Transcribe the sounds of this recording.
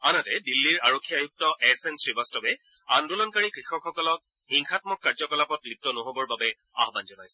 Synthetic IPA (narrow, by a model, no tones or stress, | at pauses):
anatɛdilːiɹaɹokʰːiajuk̚tɔʔɛsɛnsɹibastɔbɛ | andulɔnkaɹikɹixɔkxɔkɔlɔk̚ | hiŋxʰatmɔkːaɹzɔkɔlapɔtlik̚tɔnoɦobɔɹbabɛ | a̰ɦbanzɔnajsɛ